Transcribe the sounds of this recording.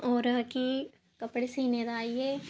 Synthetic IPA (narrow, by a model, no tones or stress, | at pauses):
oːɾəki | kɐpɽesiːned̪aːieː